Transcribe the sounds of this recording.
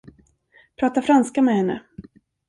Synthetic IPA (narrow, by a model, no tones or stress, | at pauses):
pʰɾɑːt̪afɾanskamɛhɛnːə̰